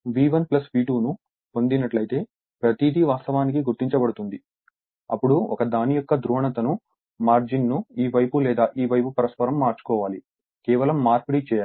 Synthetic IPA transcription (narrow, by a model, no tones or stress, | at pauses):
ʋiːʋɐnplɐsʋiːʈuːnu | po̞nd̪inɐʈlɐjt̪e̞ː | pɾɐt̪id̪iʋaːst̪ɐʋaːnikiɡuɾt̪ːiɲt͡ʃɐbɐɽut̪und̪i | ɐ̰pːuɽuɔkɐd̪aːnijɔkːɐd̪ɾuːɦɐɳɐt̪ɐnu | maːɾd͡ʒinːuiːʋɐjpulɛːd̪aːʔiːʋɐjpupɐɾɐspɐɾɐmːaːɾt͡ʃu̥kɔːʋaːli | kɛːʋɐlɐmːaːɾpɐɽit͡ʃɛːjaː